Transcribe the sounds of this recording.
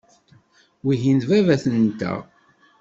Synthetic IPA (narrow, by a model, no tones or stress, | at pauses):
wiʝint̪vævæθənt̪æ̰